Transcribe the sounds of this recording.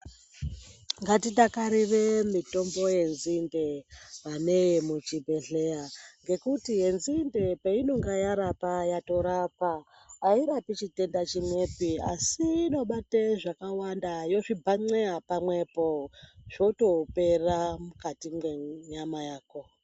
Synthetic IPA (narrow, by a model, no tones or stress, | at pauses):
ŋɡatitakaɾiremito̞mbo̞je̞nzindeʋane̞jemut͡ʃibʱe̞ɮe̞jaŋɡe̞kutiɦe̞nzinde̞peino̞ŋɡajaɾapajato̞ɾapaː | iɾapit͡ʃite̞ndat͡ʃimwe̞pia̰siːno̞ɓateʐakawandajo̞ʐibʱaŋ͡ǀeapamwe̞po̞ʐ̥o̞to̞pe̞ramukatiŋɡeɲamajaːko̞